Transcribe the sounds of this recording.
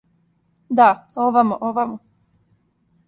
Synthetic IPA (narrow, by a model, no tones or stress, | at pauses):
d̪aoʋamoʔoʋamu